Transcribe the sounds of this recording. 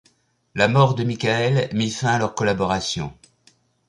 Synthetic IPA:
lamɔʁd̪əmikʲaɛlmifɛ̃alœʁkɔlabɔʁasjɔ̰̃

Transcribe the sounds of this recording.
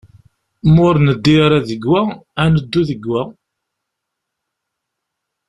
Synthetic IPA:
mʊɾnəd̪ːiɾˤaðəɡwæænəd̪ːuðəɡːæ

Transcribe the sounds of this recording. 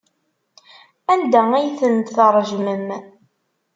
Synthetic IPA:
ænd̪ææjθənt̪θəɾˤʒməm

